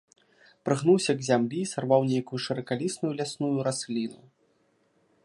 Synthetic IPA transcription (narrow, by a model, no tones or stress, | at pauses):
pɾɨɣnuwsʲɐɡzʲamlʲisarvawnʲejkujuʂɨɾɐkalʲisnujulʲasnujuɾasʲlʲinu